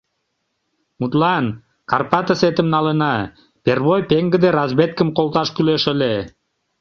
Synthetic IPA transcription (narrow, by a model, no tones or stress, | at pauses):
mut̪lˠɑn | karpat̪aset̪ɪmnɑlˠɯnɑ | pʲerβojpʲeŋɡɘ̆d̪eɾazbet̪̚kɘmqolˠt̪ɑʃkyløʃøle